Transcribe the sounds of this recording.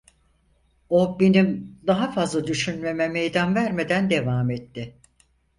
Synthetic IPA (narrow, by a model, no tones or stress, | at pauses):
o̞benimd̪aɦafazlˠad̪yʃynme̞mɛmejd̪anvæɾme̞d̪ænd̪e̞vaːmɛt̪ːɪ